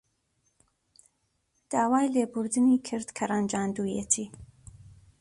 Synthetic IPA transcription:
d̪̥aːwaːjleːbuɾd̪ɨniːkʰɨɾd̪kʰɐraːnd͡ʒaːnd̪uːjet͡ʃʰiː

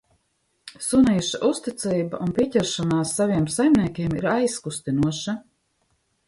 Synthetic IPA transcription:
sunijuʃaʔust̪it̪siːbaʔunpʲiɛcʲɛɾʃanaːsːavʲiɛmsajmniɛkʲeɛmiɾajskust̪inuɔʃa

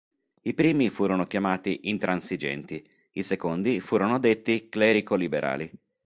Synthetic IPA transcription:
ipɾiːmifuːɾonokjamaːt̪iʔint̪ɾansid͡ʒɛ̰nt̪i | isekond̪ifuːɾonod̪et̪ːiklɛːɾikolibeɾʔa̰ːli

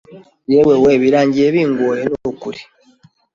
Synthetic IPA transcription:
jeweweβiɾaːɲɟieβiːŋɡwolenokuɾi̥

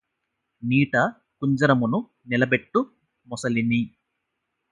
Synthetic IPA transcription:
niːʈɐ | kuɲd͡ʒɐɾɐmunu | nilɐbe̞ʈːu | mɔsɐlini

